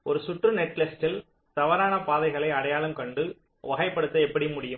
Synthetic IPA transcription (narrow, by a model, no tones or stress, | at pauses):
ɔɾɯsʊʈrɯnɛʈːlɛsʈɪl | t̪ɐʋɐɾaːnɐpaːðɐɪɣɐɭɐɪɐɽɐjaːɭɯmkɐɳɖɯ | ʋɐɣɐɪpːɐɽɯt̪ːɐɛpːɐɽimʊɽɪjɯ